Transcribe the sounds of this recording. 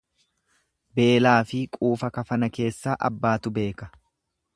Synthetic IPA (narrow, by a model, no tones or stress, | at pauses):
be̞ːlaːfɪkʼuːfɐkɐfɐnɐke̞ːsːaːʔɐ̰bːaːt̪ʊbe̞ːkɐ̥